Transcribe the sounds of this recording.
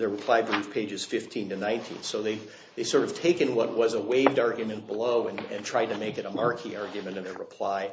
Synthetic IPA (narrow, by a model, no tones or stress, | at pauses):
ðə˞ɹɨpʰl̥aɪbɹʉv̥pʰeɪd͡ʒɨz̥fɪftʰĩntɨnãɪ̃ntʰḭ̃nsoʊðeɪ | ðeɪsɔɹɾʌv̥tʰeɪkɨ̃nwʌt̚wʌzəweɪvdɑɹɡjɨmɨ̃nb̥əloʊɨ̃nɨ̰̃ntʰɹ̥aɪd̚tɨmeɪkɨɾəmɑɹkʰiɑɹɡjɨmɨ̃ñɨ̃nəɹəpʰl̥aɪ